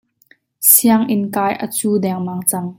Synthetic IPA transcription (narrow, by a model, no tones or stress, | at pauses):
siaŋʔɪnkaːjʔə̰t͡suːdɛŋmaŋt͡sɐŋ